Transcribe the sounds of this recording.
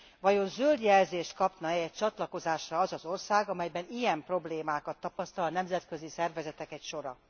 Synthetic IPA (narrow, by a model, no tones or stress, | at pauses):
vɒjo̞nzøld̪jɛlzeːʃt̪kɒpnɒɛɛc̚t͡ʃɒt̪lɒko̞zaːʃrɒɒzɒzo̞rsaːɡɒmɛjbɛnijɛmpro̞bleːmaːkɒt̪ːɒpɒst̪ɒlɒnɛmzɛt̪kø̞zisɛrvɛzɛt̪ɛkɛcʃo̞ɾɒ